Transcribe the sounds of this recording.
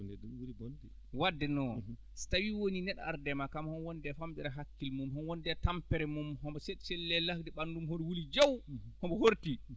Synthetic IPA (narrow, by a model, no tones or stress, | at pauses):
nɛduwulibondɛ | wadːɛnɔ | stawiwoninɛɗa̰a̰ɾdɛmakamahɔnwɔndɛfamɓɛɾaɦakːilmumhɔnwɔndɛtampɛɾɛmumɦɔbɔseɗsɛlːɛlahdɛɓandumhodwulid͡ʒowhɔmbɔhoɾti